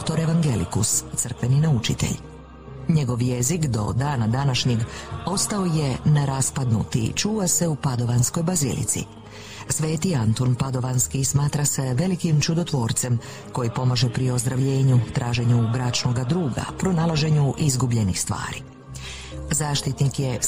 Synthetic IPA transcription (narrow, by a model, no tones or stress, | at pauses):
d̪okt̪o̞ɾe̞ʋaŋɡelḭkust̪sərkʋe̞ninaut͡ʃḭt̪e̞̰ʎ | ɲe̞ɡo̞ʋje̞zikd̪o̞̰d̪aːnad̪anaʃɲeɡo̞st̪ao̞je̞neɾaspad̪nṵt̪ḭt͡ʃuːʋase̞upad̪o̞ʋansko̞jbazḭlḭt̪sḭ | sʋe̞ːt̪iant̪onpad̪o̞ʋanskismaːt̪ɾase̞ʋe̞likimt͡ʃud̪o̞t̪ʋo̞ːɾt̪se̞m | ko̞jipo̞maʒepɾio̞zd̪ɾaʋʎe̞ːɲut̪ɾʔaːʒe̞ɲubɾat͡ʃnoɡad̪ɾuːɡa̰pɾo̞nalˠaʒe̞ɲuʔizɡubʎe̞nixst̪ʋa̰ːɾḭ | zaːʃt̪it̪nikje̞